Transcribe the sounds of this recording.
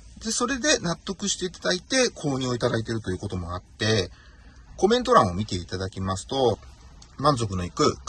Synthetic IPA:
d̪e̞so̞ɾe̞d̪e̞nat̪ːo̞kɯ̟ɕi̥t̪e̞it̪ad̪ait̪e̞kʰo̞ːɲ̟io̞it̪ad̪ait̪e̞ɾɯ̟t̪o̞jɯ̟ko̞t̪o̞mo̞at̪ːe̞ | ko̞mẽ̞nt̪o̞ɾãɰ̃o̞mʲit̪e̞it̪ad̪akʲimasɨ̥t̪o̞ | mãnzo̞k̬ɯ̟no̞ikɯ̟

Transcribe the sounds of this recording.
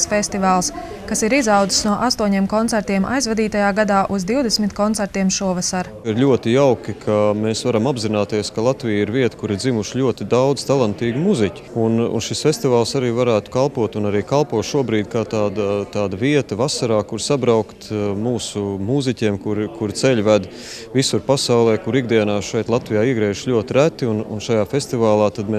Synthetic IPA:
sfɛst̪ivaːlˠs | kasiɾizawd̪zi̥snuɔʔast̪uɔɲiːmkɔnt̪sɛɾt̪iɛmʔa̰jzvad̪iːt̪ajaːɡad̪aːʔuzd̪iwd̪ɛsmit̪kɔnt̪sɛɾt̪iɛmʃuɔvasaɾ | iɾlʲuɔt̪ijawkikʰameːsvaɾamabzinaːt̪iɛskalˠat̪vijiɾviɛt̪kuɾɪɾdzimuʃʎʲuɔt̪ɪd̪awd̪z̥t̪alˠant̪iːɡmuzicʲi̥unṵnʃisfesʲt̪ivaːlˠsaɾiːvaɾæːt̪u̥kalˠpuɔt̪unaɾiːkalˠpuɔt̪ʃuɔbɾiːd̪̚ʲkaːt̪aːd̪at̪aːd̪ɐviɛt̪ɐvasaɾaːkuɾsabɾawkt̪muːsumuzicʲiɛmkuɾkuɾt̪sɛʎʲvæd̪ | visuɾpasawlˠɛːkuɾiɡ̚d̪iɛnaːʃɛjt̪lˠat̪vijaːiɛɡɾɛːʃʎʲuɔt̪ɪɾæt̪ːiunṵnʃajaːfesʲt̪ivaːlˠɑːt̪ad̪me

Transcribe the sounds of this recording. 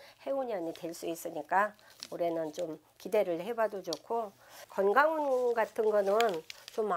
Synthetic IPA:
he̞uɲiaɲitwe̞ɭs͈uis͈ɯɲik͈a | uɾe̞nɯnt͡ɕom | kide̞ɾɯɭhebadod͡ʑokʰo | kʌnɡaŋunɡatʰɯnɡʌnɯnt͡ɕomːa

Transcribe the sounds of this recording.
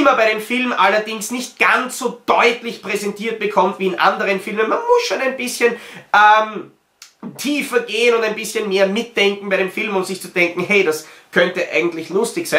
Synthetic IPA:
ɪmɐbaɪɾeːmfɪlmʔalɐdɪŋsnɪçt̚ɡ̥ant͡sz̥oːd̥ɔʏtlɪçpʁ̥ɛzɛntʰiːɐt̚b̥əkʰɔmtviːɪnʔa̰ndəʁənfɪlmənmanmʊsʃoːnæɪnbɪsçənʔɛm | tʰiːfɐɡeːənʊndæɪnbɪsçənmeːɐmɪt̚d̥ɛŋkŋ̩baɪɾeːmfɪlmʊmz̥ɪçt͡sud̥ɛŋkŋ̩ɦɛɪɾaskʰœntəʔa̰ɪɡŋ̩tlɪçlʊstɪçsaɪn

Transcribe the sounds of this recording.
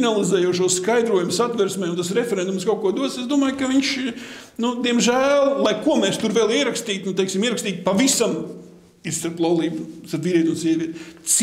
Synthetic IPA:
nalˠizɛːjuɔʃuɔsskajd̪ɾuɔjumsat̪vɛɾsmɛjʊnt̪as̬ɾefʲeɛɾɛnd̪umskaʊkuɔd̪uɔsesd̪uɔmaːjkɐʋiɲʃ | nud̪iɛmʒæːlˠlˠajkuɔmɛːst̪uɾvɛlˠiɛɾakst̪iːt̪nut̪ejksimiɛɾɐkst̪iːt̪̚pavisam | ist̪aɾplˠalˠiːbsaɾviːɾʲiɛt̪unsiɛʋʲiɛt̪s

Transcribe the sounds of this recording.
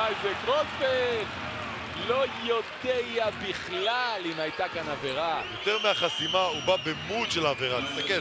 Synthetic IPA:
ajvekʁotvet | lo̞jot̪ejabiχlalimajt̪akanave̞ʁajo̞t̪eʁmeaχasimaubabemutʃelaaːveʁalist̪ake

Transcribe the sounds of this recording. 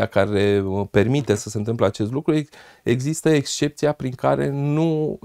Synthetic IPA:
akaɾe̞pe̞rmit̪e̞səse̞nt̪ɨmpleat͡ʃe̞st̪lukɾu | eɡzist̪əekst͡ʃe̞p̚t̪sijapɾiŋka̰ɾe̞̰nu

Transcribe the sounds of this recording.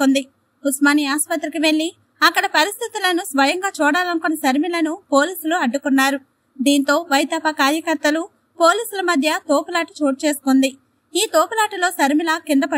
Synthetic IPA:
ond̪i | usmaːniaːspɐt̪ːɾikiʋe̞ɭːi | ɐkːɐɽɐpɐɾist̪ʰit̪ilɐnusʋɐjɐŋɡaːt͡ʃuːɽaːlɐnkunːɐʃɐɾmilɐnupo̞ːliːsuluɐɖːukunːaːɾu | d̪iːnt̪o̞ːʋɐjt̪aːpɐkaːɾjɐkɐɾt̪ɐlu | poːliːsulɐmɐd̪ʱjɐt̪oːpulaːʈi̥t͡ʃoːʈut͡ʃe̞ːsu̥kond̪i | iːt̪oːpulaːʈilo̞ːʃɐɾmilɐkind̪ɐpɐ

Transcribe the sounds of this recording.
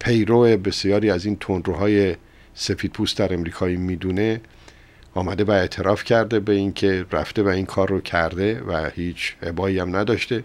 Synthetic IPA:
pʰe̞jɾoebe̞sjɒːɾiːæziːnt̪ʰond̪ɾoɦɒːje̞ | se̞fiːd̪̚pʰuːst̪d̪æɾe̞mɾiːkʰɒːiːmiːd̪uːne̞ | ɒːmæd̪e̞væe̞t̪ʰe̞ɾɒːfcʰæɾd̪e̞beiŋcʰe̞ɾæ̰ft̪e̞væinkʰɒːrːocʰæɾd̪e̞væhiːt͡ʃʰhebɒːiːæmnæd̪ɒːʃt̪e̞

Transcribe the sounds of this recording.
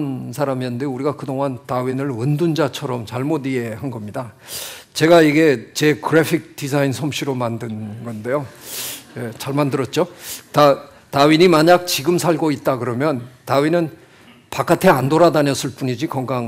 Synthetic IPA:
nsʰaɾamiʌndeuɾiɡakɯdoŋɦantawinɯɭɯndund͡ʑat͡ɕʰʌɾʌmt͡ɕaɭmodie̞hanɡʌmɲidat͡ɕe̞ɡaiɡe̞t͡ɕe̞kɯɾepʰik̚t͈isʰainsʰʌmɕʰiɾomandɯnɡʌnde̞jo | je̞t͡ɕaɭmandɯɾʌt̚t͡ɕ͈ota | taɥiɲimaɲak̚t͡ɕiɡɯmsʰaɭɡoit̚t͈akɯɾʌmjʌntaɥinɯn | pak͈atʰe̞andoɾadaɲʌs͈ʰɯɭp͈uɲid͡ʑikʌŋɡaŋ

